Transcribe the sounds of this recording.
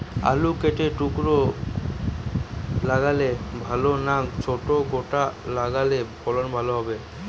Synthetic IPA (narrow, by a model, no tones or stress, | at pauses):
a̰lukeʈeʈukɾo | laɡalebʱalonat͡ɕʰoʈoɡoʈalaɡalebɔlonbʱaloɦɔbe